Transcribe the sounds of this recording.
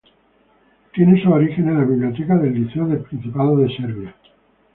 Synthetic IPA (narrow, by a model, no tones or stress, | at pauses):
t̪je̞nesuoɾixe̞nelaβiβlio̞t̪̬ekaðe̞lːiθeoðelpɾin̟θipaðoðe̞seɾβja